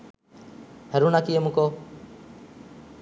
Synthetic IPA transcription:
həɾuːnaːkiːemũːkoː

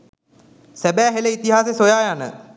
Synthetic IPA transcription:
sæbæːɦeləit̪iɦaːsesojaːjanə̰

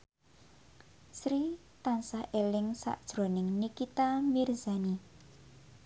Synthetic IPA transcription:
sɾi | t̪ansahʔelɪŋsa̰ʔd̥ʒ̥ɾo̤nɪŋnikit̪amirzani

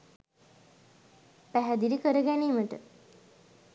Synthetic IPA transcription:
pæɦæd̪iɾikəɾəɡæniːməʈə̰

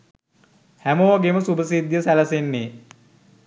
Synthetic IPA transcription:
hæmoʋaɡeməsubəsid̪jəsæləsenːe

